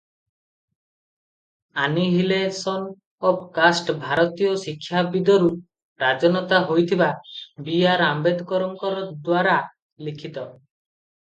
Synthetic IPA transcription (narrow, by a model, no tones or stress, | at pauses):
aniɦilesɔn | ɔpkasʈbʱaɾɔt̪ijɔsikʰːjabid̪ɔɾu | ɾad͡ʒɔnɔt̪aɦojt̪ʰibabiaɾambed̪ɔkɔɾɔŋkɔɾɔd̪waɾa | likʰit̪ɔ